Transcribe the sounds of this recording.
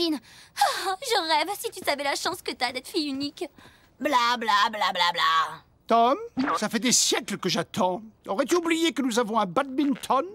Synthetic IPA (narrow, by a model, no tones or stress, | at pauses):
inaʒəʁɛvsit̪ysavɛlaʃɑ̃skət̪yad̪ɛt̪fijynik | blablablablabla | t̪ɔmsafɛd̪esjɛklkəʒat̪ɑ̃ɔʁɛt̪yublijekənuzavɔ̃ɛ̃bad̪̚bint̪ʰɔn